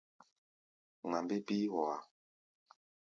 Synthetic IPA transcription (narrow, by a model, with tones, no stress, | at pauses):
ŋa˨mbe˦bi˦wɔ˨a˨